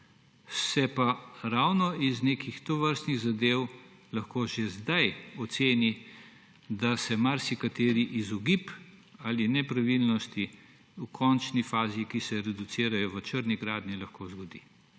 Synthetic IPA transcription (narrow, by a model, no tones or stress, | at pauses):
sɛpaɾawnɔizneːkʰixt̪ɔʋəɾst̪niɣzad̪ew | lɐxkoʒezd̪ajɔt̪seːni | d̪asɛmaɾsikat̪eːɾiʔizɔɡip | aːlinɛpɾaʋilnɔst̪i | ukʰɔnt͡ʃnifaːziikisɛɾɛd̪ut̪siːɾajɔʋət͡ʃəɾniɡɾaːd̪nilɐxkoːzɡɔd̪ḭː